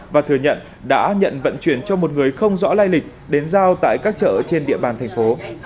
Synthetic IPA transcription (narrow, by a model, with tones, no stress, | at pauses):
vaː˨˩t̪ʰɨ˧˩əɲə̰˧˨n | ɗa̰ː˧˥ɲə̰˧˨nvə̰˧˨nt͡ɕwi˧˩ənt͡ɕɔ˧mo˨˩t̚ŋɨ˨˩əjxə˧wŋ͡mzɔ̰˧˥laː˧jlï˨˩k̟̚ | ɗe˨˦nzaː˧wt̪a̰ː˧˨jkaː˦˥k̚t͡ɕə̰ː˧˨t͡ɕe˧nɗḭ˧˨əɓaː˨˩nt̪ʰɛ˨˩ŋ̟fo˨˦